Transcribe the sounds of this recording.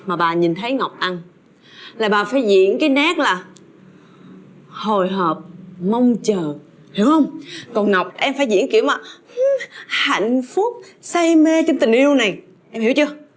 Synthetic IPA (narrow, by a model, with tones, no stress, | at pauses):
maː˨˩ɓaː˨˩ɲi˨˩nt̪ʰə˨˦jŋa˨˩wk͡p̚ʔa˧n | laː˨˩ɓaː˨˩faː˧˩jzḭ˧˨ənkaː˨˦jna˦˥k̚laː˨˩ | ho˨˩jɦəː˨˩p̚mə˧wŋ͡mt͡ɕəː˨˩ | hi˧˩˦whə˧wŋ͡mkɔ˨˩nŋa˨˩wk͡p̚ʔɛ˧mfaː˧˩jzḭ˧˥ənki˧˩əwmaː˨˩ | ha̰˧˨jŋ̟fʊ˦˥k͡p̚sa˧jme˧t͡ɕə˧ŋt̪i˨˩ŋ̟ʔi˧əwna˨˩j | ʔɛ˧mhi˧˩˥wt͡ɕɨ˧ə